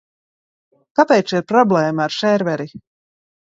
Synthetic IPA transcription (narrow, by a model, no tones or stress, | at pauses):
kapɛjt͡ʃiɾpɾɔblˠɛːmaːɾʃɛɾvɛɾi